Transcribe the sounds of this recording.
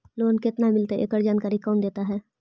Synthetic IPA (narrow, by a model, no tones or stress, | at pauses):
loːnkɪt̪namɪlt̪eʔḛːkəɾd͡ʒaːnkaːɾikɔːnd̪eːt̪aɦɛː